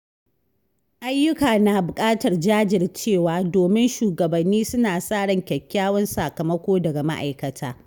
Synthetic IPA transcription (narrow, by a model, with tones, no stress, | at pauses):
ʔa˦jːʊ˦kaː˨na˨bʊ˨kʼaː˦tɐ˨rd͡ʒaː˦d͡ʒɪ˨rt͡ʃeː˦˨waː˨doː˨mɪ˦nʃuː˨ɡɐ˨bɐ˨nːiː˦sʊ˦naː˨sʼaː˦˨ɽɐ˨ŋkʲɐ˨kʲːaː˦wɐ˦nsaː˨kɐ˨mɐ˦kʷoː˦dɐ˨ɡa˨ma̰˦ʔa̰˨jkɐ˨tʰaː˦